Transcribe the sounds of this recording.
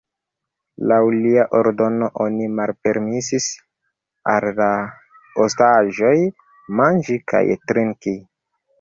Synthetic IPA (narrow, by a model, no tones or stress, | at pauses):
lawliaʔo̞ɾdo̞no̞ʔo̞nimalpe̞ɾmisis | alːa | ostaʒo̞j | mand͡ʒikʰa̰jtɾiŋki